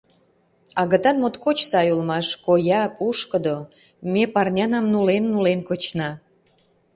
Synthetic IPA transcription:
ɑɣə̆t̪ɑnmot̪kot͡ɕsɑjulmɑʃkojɑpuʃkəd̪o | mepɑrnʲɑnɑmnulenːulenkot͡ɕnɑ

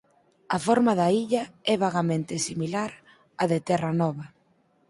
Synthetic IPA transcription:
ɐfɔɾmaðaiʎɐɛβaɣamẽnt̪ɪsimilaɾ | aðɪt̪ɛrɐnɔβɐ

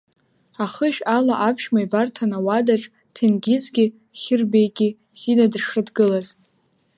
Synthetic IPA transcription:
aχəʃᶣalaʔapʰʃmaibartʰanawadaʈ͡ʂʼ | tʰinɡʲɪzɡʲi | χʲɪrbejɡʲi | z̥inadʂɨdɡɨlaz

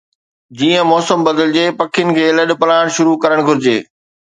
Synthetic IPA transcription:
d͡ʑiːə̃mɔːsəmbɐd̪əld͡ʑeːpɐkʰɪjʊnɪ̆kʰeːlɐɗ̆pɐlaːɪɽ̃ʃʊɾukɐɾəɽ̃ɡʱʊɾɪd͡ʑḛː

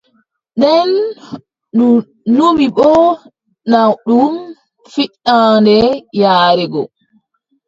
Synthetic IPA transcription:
ɗɛn | uː | umiɓɔ | nawɗum | fiɗːaːndɛjaːɾɛɡɔ̰

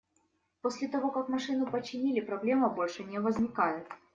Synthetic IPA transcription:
posʲlʲɪt̪ɐvo̞kakmɐʂɨnʊpət͡ɕːɪnʲilʲɪpɾɐblʲe̞məbo̞lʲʂɨnʲɪvəzʲnʲɪkajɪt̪̚

